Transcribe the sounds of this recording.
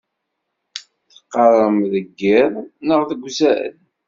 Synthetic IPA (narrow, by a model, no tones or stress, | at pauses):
θə̥qːəɾˤəmðəɡːɪɾˤnəʁðəɡʷːzæə̰n